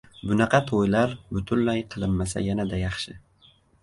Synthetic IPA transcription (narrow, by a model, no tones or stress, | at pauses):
bʊnɑqʰɑt̪ʰojlaɾbʊt̪ʰʊnlajqʰɨlˠɪmːasa̰janad̪ajɑχʃɪ